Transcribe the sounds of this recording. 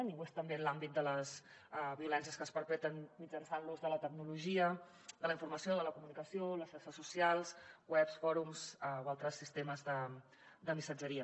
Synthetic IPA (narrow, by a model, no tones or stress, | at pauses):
niɣwest̪əmbelambit̪̚d̪ələs | βiulɛnsiəskəspəɾpɛt̪ənmid͡ʒənsanluzðələt̪əɡnuluʒiə | d̪ələiɱfuɾməsioðələkumunikəsioləʃʃaɾsəsusialˠswɛpsfɔɾumsəoalˠt̪ɾəsːist̪eməzðə | d̪əmisəd͡ʒəɾiə